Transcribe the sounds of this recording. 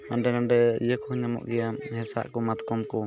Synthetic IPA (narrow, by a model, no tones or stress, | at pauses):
aɳɖɛnaɳɖɛḭjəkɔhɲamɔ̰ʔɡɛjamhɛsa̰ʔkɔmat̪kɔmkɔ